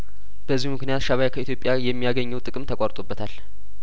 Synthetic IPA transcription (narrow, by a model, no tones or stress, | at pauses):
b̥əzːihmɨknijat̪ʃaβajakʰəit̪ʰjo̞pʼjajɛmːijaɡəɲːɛwt̪ʼɨkʼɨmt̪ʰəkʼaɾt̪ʼobːət̪ʰal